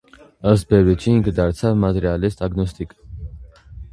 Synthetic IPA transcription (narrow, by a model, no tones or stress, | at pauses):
əsbɛɾɛt͡ʃʰiːŋkʰd̪aɾsʰamat̪ʼɛɾialɛst̪ʼaɡnɔst̪ʼikʼ